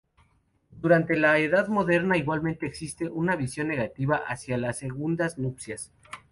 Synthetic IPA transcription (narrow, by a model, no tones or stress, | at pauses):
d̪uɾant̪e̞laeðaðmo̞ðe̞ɾnaiɣwalmẽnt̪e̞ːksist̪e̞ʔunaβisjo̞nːe̞ɣat̪iβaʔasjalasːe̞ɣund̪aznupsjas